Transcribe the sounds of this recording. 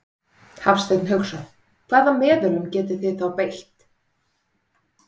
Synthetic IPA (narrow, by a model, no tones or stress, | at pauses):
hafst̪ejt̪nɦœxsaθ | kʰvaːðamɛːðʏɾʏmcɛːt̪ɪθɪðθawpejl̥t̪